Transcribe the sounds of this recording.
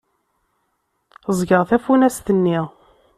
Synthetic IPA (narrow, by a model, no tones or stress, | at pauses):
əzˤɡəʁθæfunæst̪ənːiʁ